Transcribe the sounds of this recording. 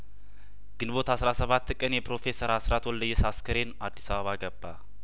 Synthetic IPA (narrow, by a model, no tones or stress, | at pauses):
ɡ̥ɨnbo̞t̪hasɾasəβat̪ːkʼənjɛpɾo̞fe̞səɾasɾat̪ʰwɔld̪əjːɛsaskʰəɾenad̪ːisaβəβaɡəbːa